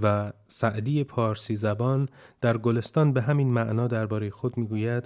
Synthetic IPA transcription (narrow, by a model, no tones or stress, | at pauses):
væsæʔd̪iːjepʰɒːɾsiːzæbɒːnd̪̥æɾɡole̞st̪ɒːnbeɦæmiːnmæʔnɒːd̪æɾbɒːɾe̞jexod̪miːɡuːjæd̪̥